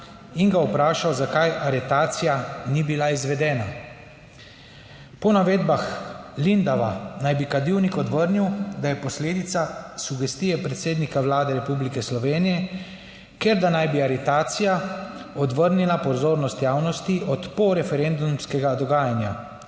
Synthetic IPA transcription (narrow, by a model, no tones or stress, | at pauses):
iŋɡaupɾaːʃawzakajaɾɛt̪aːt̪sijanibilaizʋɛd̪ɛːna | pɔnaʋeːd̪baxlind̪aʋanajbikad̪iwnikɔd̪ʋəɾniwd̪ajɛpɔsleːd̪it̪sasuɡɛst̪ijɛpɾɛt̪seːd̪nikawlaːd̪ɛɾɛpublikɛslɔʋeːnijɛ | keɾd̪anajbiaɾɛt̪aːt̪sijaɔd̪ʋəɾnilapɔzoːɾnɔst̪jaːwnɔst̪iʔɔt̪pɔɾɛfɛɾend̪umskɛɡad̪ɔɡaːjanja